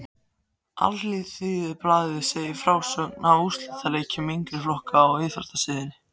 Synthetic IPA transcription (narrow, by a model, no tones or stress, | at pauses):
a̰lliθiːðɪplaːððɪseːjɪfɾaːwsœknaust̪lat̪aleːjcɪmiŋkɾɪflɔhkaːwvɪːðfa̰ɾ̥t̪asɪːðɪnɪ̥